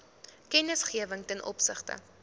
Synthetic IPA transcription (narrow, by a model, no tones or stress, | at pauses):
kɛnəsχiəvəŋtɛnʔɔ̰psəχtə̰